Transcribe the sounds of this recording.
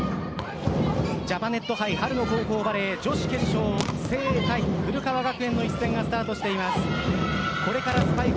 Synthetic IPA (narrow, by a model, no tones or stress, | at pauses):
d͡ʑapane̞t̪ːo̞ɦaihaɾɯ̟no̞ɦo̞ːɦo̞ːbaɾe̞d͡ʑo̞ɕi̥kẽ̞ɰ̃ɕo̞ːse̞ːt̪aibɯ̟ɾɯ̟kaβaɡakɯ̟ẽ̞nːo̞isɨ̥t̪ẽ̞ŋɡasɨ̥t̪aːt̪o̞ɕi̥t̪e̞imasɨ̥ | ko̞ɾe̞kaɾasɨ̥pai